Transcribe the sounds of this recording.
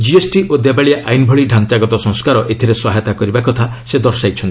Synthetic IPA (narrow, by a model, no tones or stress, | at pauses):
d͡ʒiesʈiʔod̪ebaɭijaʔajnbʱɔɭiɖʱant͡ʃaɡɔt̪ɔsɔ̃ŋskaɾɔʔet̪ʰiɾeswaɦɛt̪akɔɾibakɔt̪ʰased̪ɔɾsajt͡ʃʰɔnt̪i̥